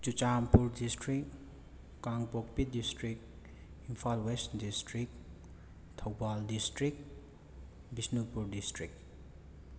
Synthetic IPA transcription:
t͡ʃut͡ʃampuɾdistɾik | kaŋpok̚pidistɾik̚ | impʰalwesdistɾik̚ | tʰɐwbaldistɾik̚ | bisnupuɾdistɾik̚

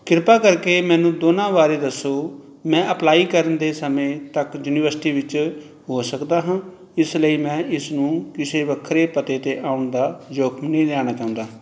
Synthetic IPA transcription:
kɪɾpaːkəɾkeːmɛ̃ːnũːd̪oːnãːʋaːɾeːd̪əsːoː | mɛ̃ːʔəplaːiːkəɾənd̪eːsəmẽːt̪əkjuːniːʋəɾsɪʈiːʋɪt͡ʃ | ɦoːsəkd̪aːɦãː | ɪsləiːmɛ̃ːʔɪsnũːkɪseːʋəkʰːɾeːpət̪eːt̪eːʔaːʊɳd̪aːd͡ʒoːkʰmnə̃ĩːd̪aːñaːt͡ʃaːʊ̃nd̪aː

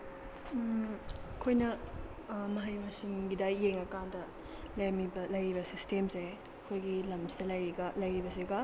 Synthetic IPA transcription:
kʰojnɐ | mɐɦajmɐsinɡidajeŋɐkandɐ | lɐjmibɐlɐjɾibɐsistemse | ɐkʰojɡilɐmsidɐlɐjɾiɡalɐjɾibɐs̬iɡɐ

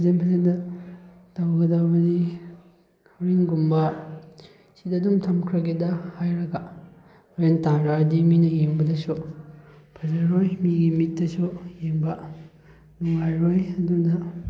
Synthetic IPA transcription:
pʰɐzenpʰɐzendɐ | tawɡɐdabɐdi | hɐwɾiŋɡumbɐ | sidɐdumtʰɐmkʰɾɐɡedɐhajɾɐɡɐ | ɾentaŋɾadiminɐjeŋbɐdɐsu | pʰɐzaɾojmiɡimitːɐsujeŋbɐ | nuŋajɾojɐdudɐ

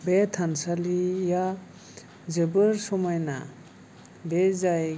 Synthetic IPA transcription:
betʰansalija | zɯbɯɾsɔmajna̰ | bezaj

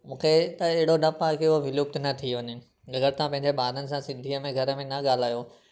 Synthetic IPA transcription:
mũːkʰet̪ɐɪɦɪɽonɐpaːkeoʋɪluːp̚t̪nɐt̪ʰiʋɐɲe | ɡɐɡəɾt̪ãpɐ̃ɦɪ̃ɲ̆d͡ʑeɓaːd̪ənɪ̆s̬ãsɪ̃nd̪ʱiəmẽɡʱɐɾə̆mẽnɐɠaːl̤aːjo

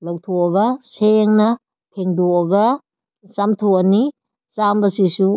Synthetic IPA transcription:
lɐwtʰoɐɡɐseŋnɐ | pʰeŋdoɐɡɐ | samtʰoɐni | sambɐsisu

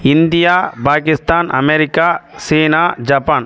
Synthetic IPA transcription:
ɪnd̪ɪjaːpaːkɪst̪aːnɐ̰mɛɾɪkːaːsiːnaːd͡ʒɐpːaːn

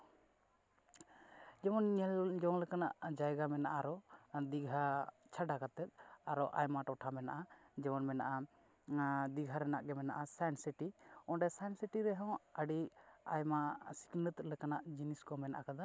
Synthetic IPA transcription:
d͡ʒɛmɔnɲɛld͡ʒɔŋlɛkanaʔd͡ʒajɡamɛnaʔaɾɔd̪iɡʱat͡ʃʰaɖakat̪ɛt̪̚ˀaɾɔʔa̰jmaʈɔʈʰamɛnaʔad͡ʒɛmɔnmɛnaʔa | d̪iɡʱaɾɛnaʔɡɛmɛna̰ʔasansiʈiɔ̃ɖɛsansiʈiɾɛɦɔ̃wəɖiajmasi̥knət̪lɛkanaʔd͡ʒiniskɔmɛnaʔakad̪a

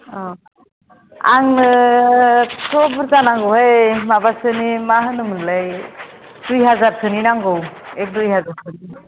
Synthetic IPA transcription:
ɔ | aŋnɯ | sʰɔbɯɾtanaŋɡɯwɦajmabasɯnimaɦɯnɯmɯnlaj | d̥ujɦazaɾkʰɯninaŋɡɯwɛk̚dujɦazaɾkʰɯni

